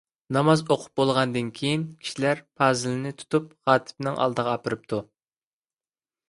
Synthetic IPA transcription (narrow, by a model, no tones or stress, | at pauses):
nɑmɑzoqʰʊ̥p̚bolˠʁɑnd̪ɨnkʲʰejinkʲʰi̥ʃilæɾpʰɑːzɨlɪnɪt̪ʰu̥t̪up̚χɑːt̪ʰɨ̥pnɪŋʔɑ̰lˠd̪əʁɑːpɨɾɨp̚t̪ʰu